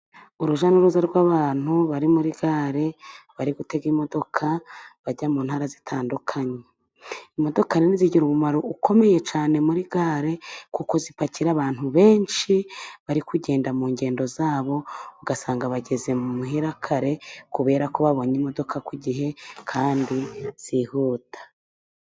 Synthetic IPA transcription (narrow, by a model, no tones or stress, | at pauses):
uɾuʒanoɾuzaɾɡwaβaːn̥huβaɾimuɾiɡaːɾe̞βaɾiɡute̞ɡimo̞do̞kʰaβaɟamuːnhaːɾazitʰaːndukʰaɲe | imo̞do̞kaɾeniziɟiɾuβumaɾoukʰo̞me̞je̞t͡ʃaːne̞muɾiɡaːɾe̞kukozipaciɾaβaːn̥huβe̞ːnʃiβaɾikuɟe̞ːndamuːɲɟe̞ːndo̞zaːβo̞uɡasaːŋɡaβaɟe̞ze̞mumuɦiɾakʰaɾe̞kuβe̞ːɾako̞βaβo̞ɲimo̞do̞kʰakiɟiɦe̞kʰaːndiz̥ihuːtʰḁ